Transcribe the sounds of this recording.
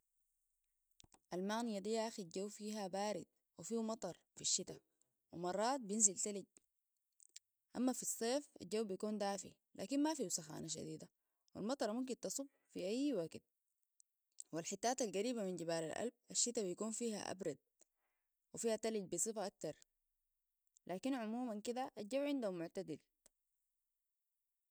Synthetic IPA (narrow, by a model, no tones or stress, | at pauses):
ʔalmaɣnijad̪ijːaʔaxid͡ʒawːfiːɦabaːɾid̪̚ | wifiːmɑt̪ˤɑɾˤfiʃːit̪a | wimɑrˤːɑːt̪̚bijinzilt̪aliɟ | ʔamːafisˤːeːfa̰ld͡ʒawːbijakuːnd̪aːfḭ | lʔa̰ːkinmafiːsaxa̰ːnaʃ̬a̰d̪iːd̪a | wḭlmɑt̪ˤɑɾˤmumk̬int̪ɑsˤub | fiʔajːwaɡt̪̚ | wilħit̪ːaːt̪alɡaɾiːbaminɟibaːlalʔa̰lb̚ʔaʃːit̪abijakuːnfiːha̰ʔa̰bɾˤɑd̪̚ | wifiːhat̪aliɟ̚bisˤɨfaʔak̚t̪ɑɾˤ | lʔaːkinʕʊmuːmankid̪aʔad͡ʒawʕɪnd̪aumʊʕt̪ad̪il